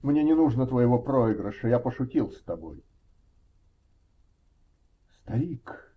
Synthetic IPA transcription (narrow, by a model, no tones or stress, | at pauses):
mnʲenʲɪnuʐnət̪vəjɪvopɾoɪɡɾəʂəjapəʂʊtʲilˠsʲt̪ɐbo̞̰j | st̪ɐɾʲik